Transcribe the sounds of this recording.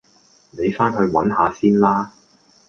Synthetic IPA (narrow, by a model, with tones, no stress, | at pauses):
ne˨˧jfaː˥nɦɵ˧ɥwɐ̰˨˥nɦaː˨˧siː˥nlaː˥